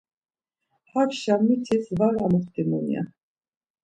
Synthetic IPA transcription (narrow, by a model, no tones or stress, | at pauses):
hakʃamːit̪ʰisvaɾamuχt̪imunja̰